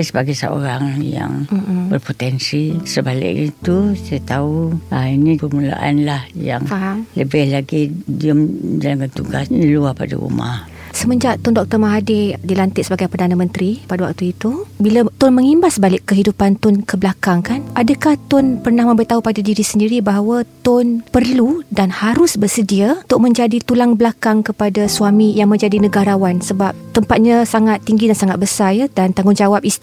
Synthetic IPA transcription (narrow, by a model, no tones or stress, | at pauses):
səbaɡajsə̰o̰ɾaŋja̰ŋ̩bərpot̪ɛnsisəbalɪ̰ʔɲt̪usajat̪auainipərmula̰ʔanlahja̰ŋfaɦaŋləbɪhlaɡidiəmdalaŋɡant̪uɡasnəluahpa̰da̰ṵma̰h | səməɲd͡ʒaʔt̪ɔndɔk̚t̪ɔrmaɦadɪdilant̪ɪʔsəbaɡajpərdanamə̃nt̪ɾipadawa̰k̚t̪uit̪ubilat̪ʊnməŋimbasbalɪʔkːəɦidupant̪ʊnkəblakaŋkanʔadakaht̪ʊnpərnahmə̃mbit̪aɦupadadiɾisəndiɾibaɦawət̪ʊnpərludanhaɾʊsbərsədiat̪ʊʔ̚mə̃ɲd͡ʒadit̪ulaŋbəlakaŋkəpadasuamĩjaŋmə̃ɲd͡ʒadinəɡaɾawansəbap̚t̪əmpat̪̚ɲasaŋat̪ːiŋɡidansaŋat̪̚bəsarjadant̪aŋɡʊŋd͡ʒawap̚i